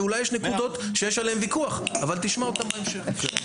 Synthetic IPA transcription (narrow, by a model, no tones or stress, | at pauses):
ulajːeʃnekud̪o̞t̪ʃejeʃalehemvikuaχavalt̪iʃmaot̪ambaemʃeχk